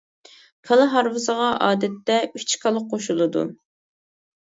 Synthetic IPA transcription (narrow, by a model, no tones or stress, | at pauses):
kʰɑlˠɨɦɑɾvɨsəʁɑʔɑːd̪ɛt̪ːɛyt͡ʃʰkʰɑlˠəqqʰːoʃulˠɨd̪ṵ